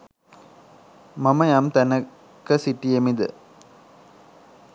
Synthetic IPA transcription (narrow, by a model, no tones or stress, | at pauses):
mɐmɐjaːmt̪ɐnɐ | kːɐsiʈːijɐmid̪ɯ̰